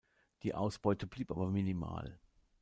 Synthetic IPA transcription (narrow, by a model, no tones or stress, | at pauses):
d̥iːʔa̰ʊsb̥ɔʏtəbliːpʔaːbɐminima̰ːl